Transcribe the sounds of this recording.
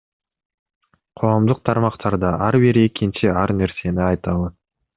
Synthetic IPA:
qʰoʁɑmd̪əq̚t̪ʰɑɾmɑqt̪ʰɑɾd̪ɑʔɑɾbɪɾe̞kʲɪnʃɪɑɾneɾse̞nɪɑjt̪ɑlˠə

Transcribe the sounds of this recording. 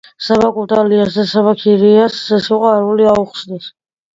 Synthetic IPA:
saβakʼut̪ʼaliasd̪asabakʰiɾiaszɛsiqʼaɾuliauχsnɛs

